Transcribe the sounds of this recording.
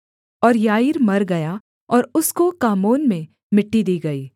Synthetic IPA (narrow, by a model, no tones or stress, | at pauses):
ɔːɾjaːiɾmɐɾɡɐja | ɔːɾʊskokaːmoːnmẽ | mɪʈːid̪iːɡɐiː